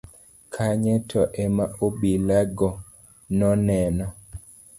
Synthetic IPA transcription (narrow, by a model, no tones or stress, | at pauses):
kʰaɲɛtʰɔʔɛmaobilaɡɔ | nɔnɛnɔ